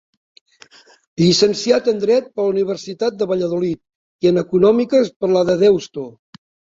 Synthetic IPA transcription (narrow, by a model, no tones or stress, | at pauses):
ʎisənsiat̪ənd̪ɾɛt̪̚pəluniβ̞əɾsit̪at̪̚d̪əβəʎəðulit̪̚ | iənəkunɔmikəspəɾləðəðewst̪o